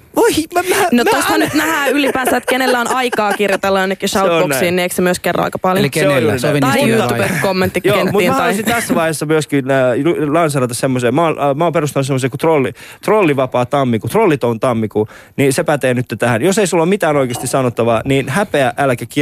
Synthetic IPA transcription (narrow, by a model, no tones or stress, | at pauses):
oimmænoost̪hɑnyt̪næhæːylipæːsːæːet̪kenelːæonʔɑiktɑːkirjot̪elːɑenːekːiʃɑeoonsiːnːieksemyəskerːɑ̰ɑ̰jkɑpɑljoseojuːriojuːupekomːent̪ːikjoenmutːiːnmæhɑluisint̪æsːæʋɑihesːɑmyøskinːlɑnsɑɾɑt̪ɑsemːoseːmɑːnmɑːperust̪ɑnːɑsemːos̬eːkut̪rolːit̪rolːiʋɑpɑːt̪ɑmːikut̪rolːit̪ont̪ɑmːikuniːsepæt̪eːnyt̪ːet̪æhænjoseisulːomit̪æːnoikeːst̪isɑnot̪ːɑʋɑːniːnhæpeæʔælkæki